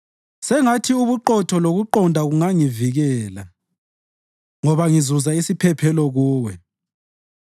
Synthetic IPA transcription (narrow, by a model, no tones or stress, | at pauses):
sɛŋatʰiuβuǃɔtʰɔloɣuǃɔndʱaɣuŋaŋiviɣɛːla̰ | ŋɔβaŋizuzaisipʰɛpʰɛlɔɣuːwɛ̰